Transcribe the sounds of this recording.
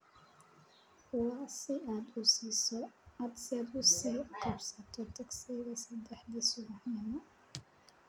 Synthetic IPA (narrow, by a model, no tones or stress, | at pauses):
ʊwaːsɪʔaːd̪ʊsiːsɔad̪sɪaːd̪ʊsiːqʰɑbsɐt̪ʰɔt̪ʰɐɡsɛjɣɐsɐd̪ɛħd̪isʊwɑħjɐnɐ